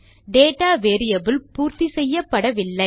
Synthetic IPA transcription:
ɖeːʈaːʋeːɾɪjɐbɪlpuːɾt̪isɛjːɐpːɐɽɐʋɪlːɐɪ

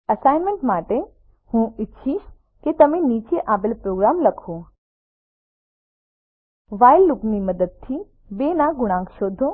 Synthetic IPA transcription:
əsajnmẽɳʈmaʈe | hũɪtːʃʰiʃ | ket̪əmenit͡ʃeʔaʋelpɾoɡɾamləkʰõ | ʋajlːukniməd̪əd̪̚t̪ʰi | benaɡʊɽ̃ãŋkʃod̪ʱːõ

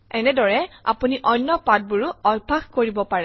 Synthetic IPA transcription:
ɛnɛdɔɹɛa̰puniʔɔnːɔpat̚buɹuɔjbʱaxkoɹibɔpaɹɛ

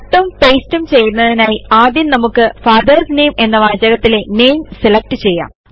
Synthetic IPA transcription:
ʈːɐmpeːstumt͡ɕe̞junːɐðinaːjiaːd̪jɐnnɐmukːɨfaːd̪ɐrsne̞ːme̞nːɐʋaːd͡ʑjɐɣɐt̪ːile̞ne̞ːjmselɐk̚ʈɨt͡ɕe̞jːa̰ːm

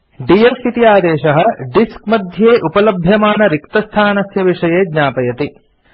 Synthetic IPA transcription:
ɖijefit̪ijaːd̪eːʃɐɦɐ̆ɖiskmɐd̪ʱjeːʔupɐlɐbʱjɐmaːnɐɾikt̪ɐst̪ʰaːnɐsjɐʋiʂɐjeːd̪ɲaːpɐjɐt̪i

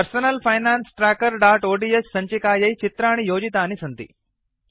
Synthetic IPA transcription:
ɐɾsɐnɐlpʰɐjnaːnsʈɾaːkɐɾɖaːʈoːɖiːjesːɐɲt͡ʃikaːjɐjt͡ʃit̪ɾaːɳ̃ijoːd͡ʒit̪aːnisɐnt̪ḭ

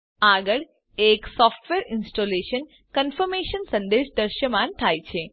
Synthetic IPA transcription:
aɡəɭ | eksɔfʈʋeɾɪnsʈoleʃən | kənfəɾmeʃənsə̃nd̪eʃd̪əɾʃəmãnt̪ʰajt͡ʃʰe

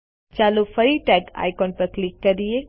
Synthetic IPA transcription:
t͡ʃaːlufɐɾiʈɛːka̰ːɪkɔːnpɐɾklɪkːɐɾie

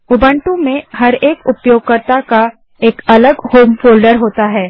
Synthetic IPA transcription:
ʊbə̃ɳʈũmẽɦɐɾeːkʊpjoːɡ̚kəɾt̪aka | eːkɐləɡhoːmfoːlɖəɾɦoːt̪aɦɛː

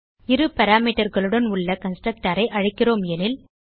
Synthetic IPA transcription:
ɪɾɯpɐɾaːmiːʈːɐɾɣɐɭɯɽɐnʊɭːɐkɐnsʈrɐk̚ʈaːɾɐɪʔɐɻɐɪkːɪroːmɛnɪl

